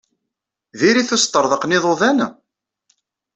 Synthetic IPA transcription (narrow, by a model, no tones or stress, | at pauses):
ðiɾiθæst̪ˤːəɾˤðəqnɪðˤoðænæ